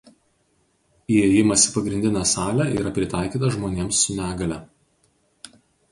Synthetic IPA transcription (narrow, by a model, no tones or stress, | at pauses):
ieːjɪmɐsʲɪ̥pɐɡɾʲɪnʲd̪ʲɪnʲæːsɑːlʲæʔḭːɾɐpʲɾʲɪt̪ɑˑɪkʲiːt̪ɐʒmoːnʲeːmsːʊnʲæːɡɐlʲɛ